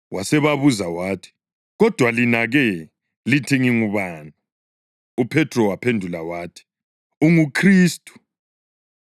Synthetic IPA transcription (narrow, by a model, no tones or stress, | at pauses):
wʔasɛβaβuzawaːtʰi̥ | ɣɔd̥ʱwalinaɣɛ | litʰiŋiŋuβaːna | upʰɛtʰʼrɔwapʰendʱulawaːtʰi̥ | uŋukʰriːstʼu̥